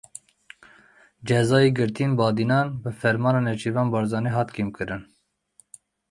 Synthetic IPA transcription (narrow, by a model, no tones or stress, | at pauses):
d͡ʒɛzɑːjiːɡɨɾt̪ʰinbɑːd̪inɑːnbɨfɛɾmɑːnɑːnɛt͡ʃʰivɑːnbɑːɾzɑːneɦɑːt̪kimkʰɨɾɨn